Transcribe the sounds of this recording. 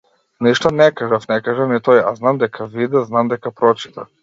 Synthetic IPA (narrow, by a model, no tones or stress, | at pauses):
niʃt̪ɔnɛkaʒafnɛkaʒafnɛt̪ɔja̰znamd̪ɛkʰavid̪ɛznamd̪ɛkapɾɔt͡ʃi̥t̪a̰